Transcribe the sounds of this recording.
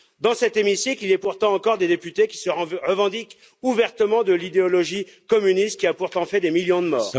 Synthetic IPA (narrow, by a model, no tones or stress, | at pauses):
d̪ɑ̃sɛt̪emisiklilɛpuʁt̪ɑ̃ːkɔʁd̪ed̪epyt̪ekʲi̥səʁəvɑ̃d̪ik | uvɛʁt̪əmɑ̃d̪əlid̪eɔlɔʒikɔmynist̪̚kʲiapuʁt̪ɑ̃fɛd̪emiljɔ̃d̪əmɔːʁ